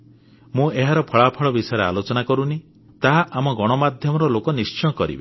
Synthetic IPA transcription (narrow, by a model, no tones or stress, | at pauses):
mũeɦaɾɔpʰɔɭapʰɔɭɔbisɔjɾea̰lot͡ʃɔnakɔɾuni | t̪aɦaʔamɔɡɔɽ̃ɔmad̪ʱjɔmɔɾɔlokɔnist͡ʃɔj̃ɔkɔɾḭbe